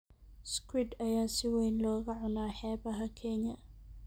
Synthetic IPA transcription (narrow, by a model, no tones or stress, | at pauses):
skʰwɪd̪ɐjaːsɪwɛjnlɔːɣɐʕʊnaːħɛːβɐɦɐkʰɛnɐ